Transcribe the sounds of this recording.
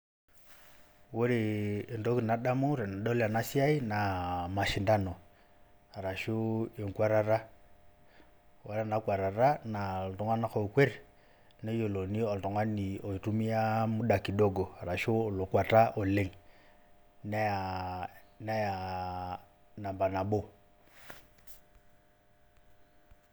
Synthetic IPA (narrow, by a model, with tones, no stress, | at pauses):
wo˦ɾeː˨ndo˦ki˨na˨ɗa˦mu˦ɾe˨na˨ɗo˦la˨na˦si˦a˦i˦na˨ma˨ʃi˨nda˦no˨ | a˨ɾa˨ʃu˦e˨ŋ˨kwa˦ɾa˦ɾa˦ | wa˦ɾa˦˨na˨˦kwa˨ɾa˨ɾa˦na˨ltɔ˨ŋa˦na˦xo˨kwe˦ɾ | nɛ˦jɔ˨lɔ˨ni˦ɔ˨ltɔ˨ŋwa˦ni˨ɔ˨i˨tu˦mi˦a˦mu˦ɗa˨ki˨dɔ˦ɡɔ˨a˨ɾa˨ʃu˦ɔ˨lo˨kwa˨ta˦ʔɔ˨le˦˨ŋ | nɛ˦a˨ | na˦ja˨ | na˨mba˨na˨bɔ˦